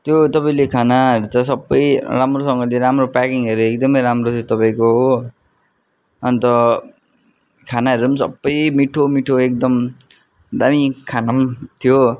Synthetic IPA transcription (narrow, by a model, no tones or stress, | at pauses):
t̪jot̪ʌpaĩlekʰanaɦʌɾut͡sʰʌsʌbːʌjramrosʌŋɡʌleɾamropakiŋɦʌɾuekd̪ʌmʌjɾamrot̪ʰot̪ʌpaĩkoɦo | ʌnt̪ʌ | kʰanaɦʌɾumsʌ̰bːʌjmiʈʰomiʈʰoek̚d̪ʌm | d̪amikʰanamt̪ʰijo